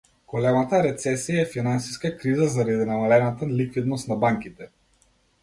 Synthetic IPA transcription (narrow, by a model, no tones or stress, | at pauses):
ɡ̥olɛmat̪aɾɛt̪sɛsijaɛfinansi̥skakɾizazaɾad̪inamalɛnat̪alikvid̪nɔst̪nabaŋkit̪ɛ